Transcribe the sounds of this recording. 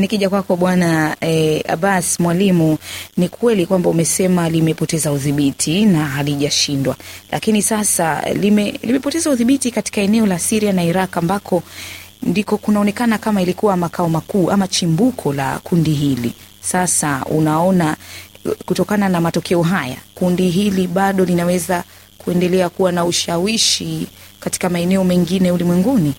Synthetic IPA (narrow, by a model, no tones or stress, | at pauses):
nikiʄakwakɔɓwanaɛa̰ɓasmwalimunikʰwɛlikwambaumɛsɛmalimɛpɔtɛzauðiɓitʰinaɦaliʄaʃindwa̰lʔa̰kinisasalimɛlimɛpɔtɛzauðiɓitikati̥kaɛnɛɔlasiɾianaiɾakambakʰɔndikɔkunaɔnɛkanakamailikuwamakaɔmakuːʔamat͡ʃimbukʰɔla̰kundiɦilḭ | sasaṵnaɔna | kutɔkananamatɔkɛɔɦaja̰kundiɦiliɓaɗɔlinawɛza | kuɛndɛlɛakuwanauʃawiʃi | kati̥kamaɛnɛɔmɛŋɡinɛulimwɛŋɡuni